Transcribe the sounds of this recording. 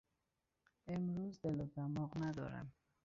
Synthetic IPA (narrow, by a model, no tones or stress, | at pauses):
ɪmɾuzd̪ɪlod̪amɔqnad̪ɔ̰ɾa̰m